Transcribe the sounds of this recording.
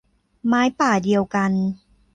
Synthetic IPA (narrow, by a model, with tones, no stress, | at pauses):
maː˦˥jpaː˨˩di˧əwka˧n